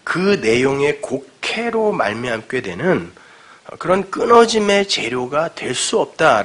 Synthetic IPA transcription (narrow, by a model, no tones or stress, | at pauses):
kɯne̞joŋe̞kokʰe̞ɾoma̰ɭmjiɦamk͈e̞dwe̞nɯn̰ | kɯɾʌnk͈ɯnʌd͡ʑime̞t͡ɕe̞ɾjoɡatwe̞ɭs͈uʌp̚t͈a